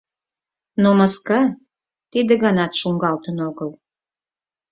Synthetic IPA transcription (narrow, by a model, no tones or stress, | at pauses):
nomɑskɑ | t̪id̪ə̆ɣɑnɑt̪ʃuŋɡɑlt̪ənoɣəl